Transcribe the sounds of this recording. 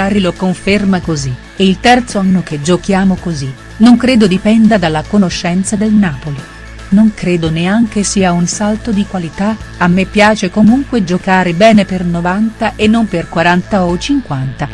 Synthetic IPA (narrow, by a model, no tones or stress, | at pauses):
arilokoɱfermakozi | eilt̪ɛrt̪soanːoked͡ʒokjaːmokozi | noŋkɾeːd̪od̪ipɛnd̪ad̪alːakonoʃːɛnt̪sad̪elnaːpoli | noŋkɾeːd̪oneaŋk̟esiːaunsalt̪od̪ikwalit̪aamːepːjaːt͡ʃekomuŋkwed͡ʒokaːɾebɛːnepernovant̪aʔenːomperkwaɾant̪aot͡ʃiŋkwant̪a